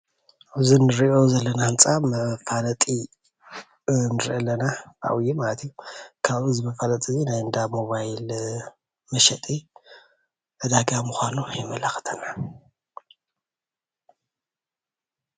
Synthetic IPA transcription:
ʔβzinɨɾiʔo̞zɐlːɐnahɨnt͡sʼamɐfʼalɐt̪ʼi | nɨɾʔɐlːɐnaa̰wjumalɐt̪ʰijːukʰaβɨzmɐfʼalɐt̪ʼizinajɨnd̪amo̞βajl | mɐʃɛt̪ʼi | ɨd̪aɡamuxʷanujɪmɐlaxɨ̥t̪ʰɐna

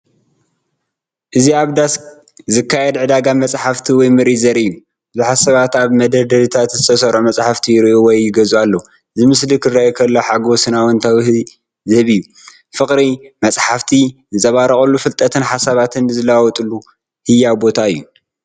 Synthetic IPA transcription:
ʔɨziaβd̪as | zɨkʰːajɛd̪ʕɨd̪aɡamɐt͡sʼħaft̪ʰiwɔjmɨɾizɐɾʔɨjːu | bɨzuħasɐβat̪aβmɐd̪ɐd̪ɐβit̪ʰat̪zɨt̪ʰɐsɐɾʔomɐsʼħaft̪ʰijɪɾiʔowɔjːɪɡɐzualːɐu | ɨzɨmɨslikʰɨrɐekʰɐlːoħaɡosɨnawɔnt̪ʰaw | zɨhɨβɨjːu | fɨkʼɾimɐt͡sʼħaft̪ʰizɨzɐβaɾɐχʼɐlːufɨlt̪ʼɐt̪ʰɨnħasaβat̪ʰɨnːɨzɨlawɔt̪ʼulːu | hɨjːawbo̞t̪ʰaɨjːu

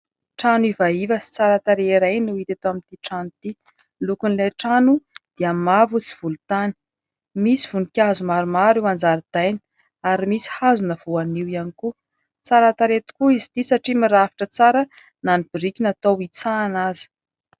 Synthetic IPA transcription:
ʈ͡ʂanivaivəsi̥t͡saɾat̪aɾeiɾajnuit̪at̪oamint̪iʈ͡ʂanut̪i | lukunilajʈ͡ʂanud̪̥iamavut͡si̥v̥ulut̪ani̥ | misiv̥unikʲazumaɾumaɾiwand͡zaɾid̪̥ajni̥ | aɾimisi̥hazunəv̥uaniwianiku | t͡saɾat̪aɾet̪i̥kuizi̥t̪isaʈ͡ʂimiɾavi̥ʈ͡ʂət͡saɾə | nanib̥iɾikʲinat̪owit͡saːnazi̥

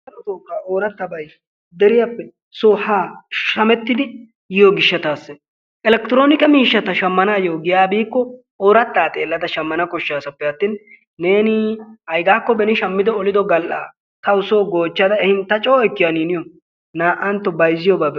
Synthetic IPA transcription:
ɐɐt̪oːkʼːaːoːɾɐt̪ːɐbɐj | d̪ɛɾɪjɐpːɛ | soːhaːʃɐmɛt̪ːɪd̪ɪ | jɪjoːɡɪʃːɐt̪aːsːɛ | ɛlɛkt̪ɪɾo̞ːnɪkɐmiːʃːɐt̪ɐʃɐmːɐnaːjoːɡɪjaːbiːkːɔ | oːɾɐt̪ːaːt̪ʼe̞ːlːɐd̪ɐʃɐmːɐnɐkɔʃːaːsɐpːɛjɐt̪ːinː | e̞ːnɪhɐjɡaːkːɔbɛnɪʃɐmːɪd̪ɔːlɪd̪ɔɡɐlʔa̰ː | t̪ɐʊsoːɡo̞ːt͡ʃːɐd̪ɐɛhɪnt̪ːɐt͡ʃʼoːɛkːɪjaniːnɪjɔ | naːʔɐnt̪ːɔbɐjzːɪjɔbaːb

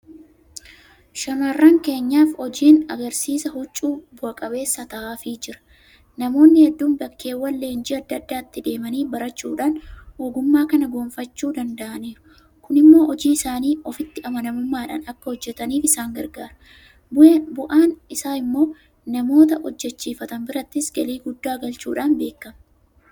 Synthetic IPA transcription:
ʃɐmaːrːaːŋke̞ːɲːaːfɔd͡ʒiːnɐɡɐɾsiːsɐhʊt͡ʃʼːuːbʊʔɐkʼɐbe̞ːsːat̪ɐʔaːfɪd͡ʒɪɾɐ̥ | nɐmo̞ːnːɪhɛd̪ːuːmbɐkːe̞ːwːɐlːeːnd͡ʒiɐd̪ːɐd̪ːaːt̪ːɪd̪e̞ːmɐniːbɐɾɐt͡ʃːṵːᶑaːnoːɡʊmːaːkɐnɐɡo̞ːmfɐt͡ʃːuːd̪ɐnd̪ɐʔɐniːɾʊ̥ | kʊnɪmːo̞ːʔɔd͡ʒiːɪsaːniːɔfɪt̪ːɪʔɐmɐnɐmʊmːaːᶑa̰ːnɐkːɐhɔd͡ʒːɛt̪ɐniːfɪsaːŋɡɐɾɡaːɾɐ | bʊʔaːnɪsaːɪmːo̞ː | nɐmo̞ːt̪ɐʔɔd͡ʒːɛt͡ʃːiːfɐt̪ɐnbɪɾɐt̪ːɪsɡɐliːɡʊd̪ːaːɡɐlt͡ʃuːᶑaːnbe̞ːkːɐmɐ

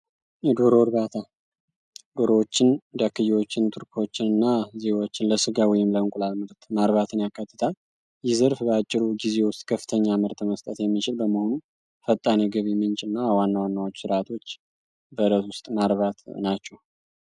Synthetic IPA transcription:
jɛd̪oɾoɾd̪at̪ʰa | d̪oɾowot͡ʃːɪnd̪akːɨjwo̞t͡ʃːɪnt̪ʰɨɾkʰo̞t͡ʃːɪnɨnːaze̞wo̞t͡ʃːɪnləsɨɡawɔjɪmləɨŋkʼulalmɨɾt̪maɾβat̪ʰɨnjakːat̪ːɨt̪ʰal | jɪzɨɾfbəat͡ʃʼːɪɾuɡize̞wʊst̪ʼkʰəfːɨ̥t̪ʰəɲːamɨɾt̪ʰməst̪ʼət̪jɛmːit͡ʃɪlbəməhonu | fət̪ʼːaniɡəβimɨnt͡ʃʼɪnːawanːawanːawot͡ʃːsɨɾat̪ʰo̞t͡ʃː | bəɾət̪wʊst̪ʼmaɾβat̪nat͡ʃːɛw

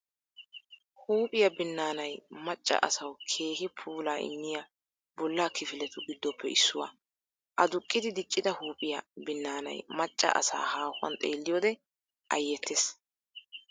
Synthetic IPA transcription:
huːpʼɪjɐbɪnːaːnɐjmɐt͡ʃʼːɐ̰ʔɐ̰sɐwkʰe̞ːɦɪpʰuːlaːɪ̰nːɪja | bɔlːaːkɪfɪlɛt̪ʊɡɪd̪ːɔpːɛɪsːʊwɐ̰ | ʔɐd̪ʊkʼːɪd̪ɪd̪ɪt͡ʃʼːɪd̪ɐhuːpʼɪjɐbɪnːaːnɐ̰jmɐt͡ʃʼːɐ̰ʔɐ̰sa̰ːhaːhʊwɐ̰nt̪ʼe̞ːlːɪjɔːd̪ɛ | ʔɐjːɛt̪ːeːs

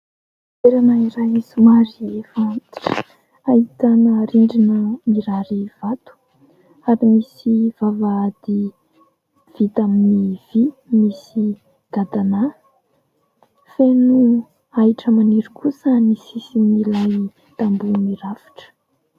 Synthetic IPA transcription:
eɾanaiɾajizumaɾiefant̪i̥ʈ͡ʂə̥ | ait̪anəɾiɳɖ͡ʐinəmiɾaɾiv̥at̪u̥ | aɾimisiv̥avaːd̪i | v̥it̪aminiv̥imisi | ɡ̥ad̪ana | fenu | aiʈ͡ʂəmaniɾukʰusənisisimilaj | t̪ambumiɾafi̥ʈ͡ʂə̥

